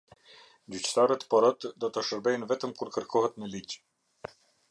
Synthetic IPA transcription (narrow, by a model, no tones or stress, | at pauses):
d͡ʑyt͡ɕt̪aɾət̪pɔɾɔt̪d̪ɔt̪aʃəɾbɛjnvɛt̪əmkuɾkəɾkɔɦɛt̪mɛlic